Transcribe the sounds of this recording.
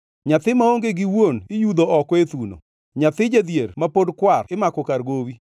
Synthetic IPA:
ɲat̪ɪmaoŋɡeɡɪwonɪjud̪oʔɔkwet̪uno̰ | ɲat̪ɪd͡ʒad̪jeɾmapodkwarɪmakɔkarɡowi

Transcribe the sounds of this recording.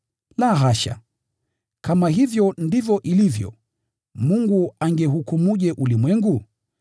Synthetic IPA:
laɦaʃa̰ | kamaɦivjɔndivjɔʔilivjɔ̰ | muŋɡuaŋɡɛɦukumuʄɛʔulimwɛŋɡu

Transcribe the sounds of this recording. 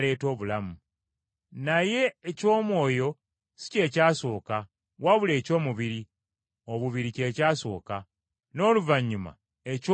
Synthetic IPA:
le̞ːto̞ːβulamu | naje̞ːco̞ːmwo̞ːjo̞ | si̥ce̞ːcaːso̞ːka | waβule̞ːco̞ːmuβiɾi | o̞βuβiɾice̞ːcaːso̞̰ːka | no̞ːluvaɲːuma̰ | eco

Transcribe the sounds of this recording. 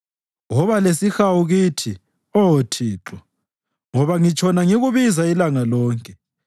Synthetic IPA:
ɣɔβalesixawuɣitʰi | ɔtʰiːǁɔ | ŋɔβaŋit͡ʃʼʰɔnaŋiɣuβizailaŋalɔːŋkʼɛ

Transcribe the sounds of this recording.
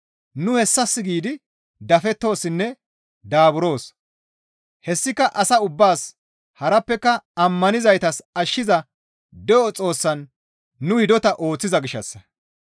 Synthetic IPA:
nʊhɛsːɐsːɪɡiːd̪ɪ | d̪ɐfɛt̪ːo̞ːsːɪnːɛ | d̪aːbʊɾo̞ːs | hɛsːɪkːɐʔɐsɐʊbːaːs | hɐɾɐpːɛkːɐɐmːɐnɪzɐjt̪ɐsɐʃːɪzɐ | d̪ɛʔɔt͡sʼo̞ːsːɐnː | ʊhɪd̪ɔt̪ɐʔo̞ːt͡sːɪzɐɡɪʃːɐ̰sːɐ

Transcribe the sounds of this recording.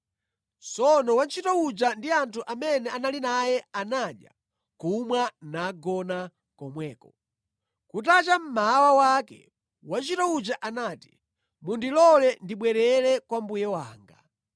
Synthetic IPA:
t͡sɔnɔwant͡ʃʰitɔud͡ʒandiantʰuʔamɛnɛanalinajɛanaɗja̰ | kumwanaɡɔna | kɔmwɛːkɔ | kutat͡ʃam̩maawawakɛ̰ | want͡ʃitɔud͡ʒaʔanaːti̥ | mundilɔlɛndiɓwɛɾɛɾɛkwambujɛwaːŋɡa

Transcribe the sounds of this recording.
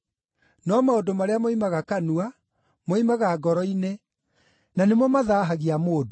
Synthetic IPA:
nɔmaodomaɾeamoimaɣakanua | moimaɣaɡɔɾɔine | nanemɔmaðaːɦaɣiamoːdo

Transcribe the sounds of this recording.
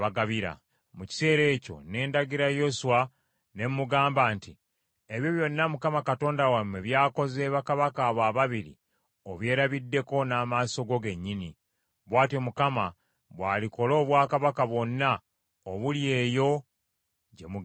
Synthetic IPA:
βaɡaβiɾa̰ | muci̥se̞ːɾe̞ːco̞̰ne̞ːndaɡiɾajo̞suwa | ne̞mmuɡaːmbaːnti | e̞βjo̞βjo̞nːamukamakato̞ːndawamwe̞βjaːko̞zeːβakaβakaβwaːβaβiɾḭ | oβwe̞ːɾaβidːe̞ko̞naːmaːso̞ɡo̞ɡe̞ɲːini | βwaːtiomukama | βwaːliko̞lo̞ːβwaːkaβakaβwo̞nːa | oβulje̞ːjo̞ | ɟe̞mu

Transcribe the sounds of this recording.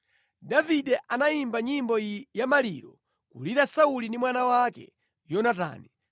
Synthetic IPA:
davidɛʔanaimbaɲimbɔjamaliːɾɔ | kṵliɾasaulindimwanawakɛ̰ | jɔnata̰ːnɛ

